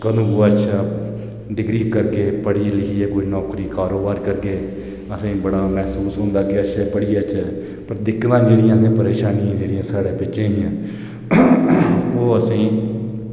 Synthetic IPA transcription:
kəd̪ũːɡoːətːʃʰaː | ɖɪɡɾiːpkəɾɡeːpəɽiːlɪkʰiːeːkʊiːnɔːkɾiːkaːɾoːbaːɾkəɾɡeː | əsĩːbəɽaːmɛɦsuːsɦõːnd̪aːkɪətːʃʰɛːpəɽiːət͡ʃɛː | pəɾd̪ɪkːt̪ãːd͡ʒeːɽijãːsẽːpəɾeːʃaːnijãːd͡ʒeːɽiãːsaːɽeːpɪt͡ʃːʃẽːijãː | oːəsĩː

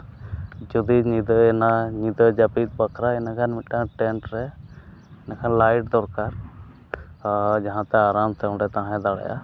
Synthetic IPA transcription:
d͡ʒɔd̪iɲid̪əɛnaɲid̪əd͡ʒapit̪̚bakʰɾaɛnakanmiʈ̪ːãʈɛɳʈɾɛ | nakʰanlajʈ̚d̪ɔɾkaɾ | d͡ʒaɦãt̪ɛaɾamt̪ɛ̃ɳɖɛt̪aɦãɛ̃d̪aɽɛ̰ja̰

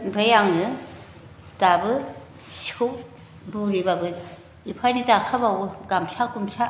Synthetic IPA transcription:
bʱajaŋɯ | tabɯ | su | buɾibabɯ | ipʰanitakʰabawɡamsʰakumsʰa

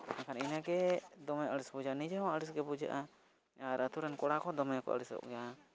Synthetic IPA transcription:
akaninaɡɛd̪ɔmɛjəɽisbud͡ʒaʔanid͡ʒaɦɔ̃əɽisɡɛbud͡ʒa̰ʔa | aɾət̪uɾɛnkɔɽakɔd̪ɔmɛjakɔ̰ʔə̰ɽisɔ̰ʔɡɛa

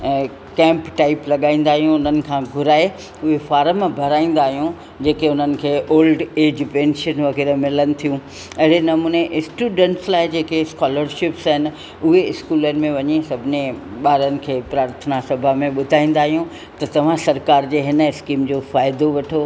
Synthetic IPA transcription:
kɛ̃ːmpʈaːɪplɐɠaːĩːnd̪aːɦijũʊn̤ənɪ̆kʰãɡʱʊɾaːe | ʊɦefaːɾəmbʱɐɾaːĩːn̆d̪aːɦijũ | d͡ʑeːkeʊnənɪ̆kʰeːʔoːlɖeːd͡ʑpẽːnʃənʋɐɣɛːɾəmɪlənɪ̆t̪ʰijũ | ɐɦɪɾenɐmuːneʔɪsʈjuːɖə̃ɳʈslaːɪd͡ʑeːkeskaːləɾʃɪpsɦɪnɪ̆ | ʊɦeɪskuːlənɪ̆mẽʋɐɲesɐbʱɪneɓaːɾənɪ̆kʰeːpɾaːɾt̪ʰənasɐbʱamẽɓʊd̪ʱaːĩːn̆d̪aːɦijũ | t̪ɐt̪ɐʋ̤ãsɐɾkaːɾd͡ʑeːɦɪnəɪskiːmd͡ʑoːfaːɪd̪oʋɐʈʰo

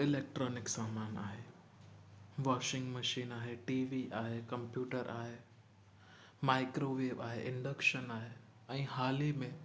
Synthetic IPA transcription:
ɪleːk̚ʈɾɔːnɪksaːmaːna̰ːɦe | ʋaːʃɪ̃ŋɡmɐʃiːnaːɦeʈiːʋiʔaːɦekɐ̃mpjuːʈəɾʔa̰ːɦe | maːɪkɾoʋeːʋaːɦeʔɪ̃ɳɖəkʃənaːɦe | ɐ̃ĩɦaːlimẽ

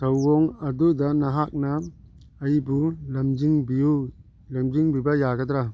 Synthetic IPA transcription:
sawɡɔŋadud̪anaɦak̚naː | jibulamd͡ʒiŋbiju | lɐmd͡ʒiŋbibajaɡad̪ɾa

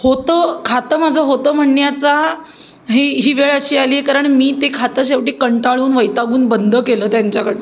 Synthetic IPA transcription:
hot̪əːkʰat̪əmad͡zʱəɦot̪əːm̤əɳjat͡sa | ɦeɦiːʋeɭəɕiːaliːekaɾəɳmiːt̪ekʰat̪əɕ̬eʋʈiːkəɳʈaɭuːnʋəjt̪aɡuːnbənd̪ʱəkeləːt̪jaɲt͡ɕakəɽe

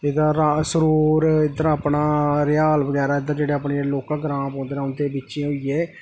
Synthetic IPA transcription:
ed̪ãːɾaːsəɾuːɾɪd̪əɾãːəpnaːɾɪjaːlbəɡɛːɾaːɪd̪aɾd͡ʒeːɽeːaːpɳeːloːkãɡɾãːpɔ̃ːnd̪eːnaːʊnt̪eːbɪːʃãɦoiːeː

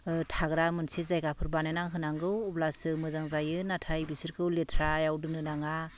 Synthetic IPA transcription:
ɯtʰaɡɾamɯnsezajɡapʰɯɾbanajnaŋɦɯnaŋɡɯwublasɯmɯzaŋzajɯnatʰajbisɯɾkʰɯwletʰɾajawdɯnɯnaŋa

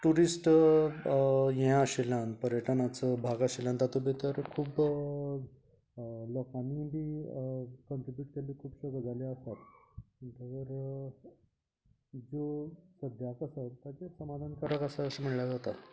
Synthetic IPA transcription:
ʈuɾisʈ | jeãəɕilanpəɾjəʈʰənat͡səbʱaɡaɕilãnt̪at̪ubit̪əɾkʰuːb | lɔkanibiː | kəɳʈ̪ɾibjuʈkeliːkʰuːbɕəɡəd͡zaliəst̪at̪iɲt̪ʰaʋəɾ | d͡zosəd̪ʱjakəsat̪jat͡ɕesəmad̪ʱankəɾakəsaəsam̤əɽljad͡zat̪a

